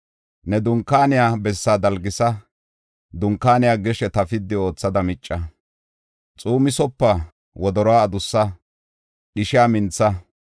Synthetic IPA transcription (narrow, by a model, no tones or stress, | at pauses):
nɛd̪ʊŋkːaːnɪjaːbɛsːaːd̪ɐlɡɪsɐ | d̪ʊŋkːaːnɪjaːɡɛʃɛt̪ɐfɪd̪ːɪo̞ːt͡sːɐd̪ɐmɪt͡ʃʼːɐ | t͡sʼuːmɪsɔpːɐ | wɔd̪ɔɾɔaːd̪ʊsːɐ | ɗɪʃɪjaːmɪnt͡sːɐ